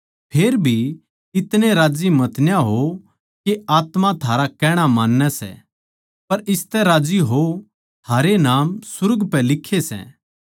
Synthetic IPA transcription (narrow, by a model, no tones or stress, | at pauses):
pʰeːɾbʱi | ɪt̪neɾaːd͡ʒimɐt̪njaɦo | keaːt̪mãt̪ʰaːɾakɛːɽ̃amaːnːɛsɛ̰ | pɐɾɪst̪ɛɾaːd͡ʒiɦo | t̪ʰaːɾenaːmsʊɾɡpɛlɪkʰːesɛ̰̃